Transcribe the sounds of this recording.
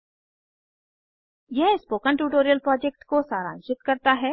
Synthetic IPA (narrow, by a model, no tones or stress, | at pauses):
jɛɦspoːkə̃ɳʈuːʈoːɾijəlpɾɔːd͡ʒɛk̚ʈkosaːɾã̰ːnt͡ʃɪt̪kɐɾt̪aɦɛː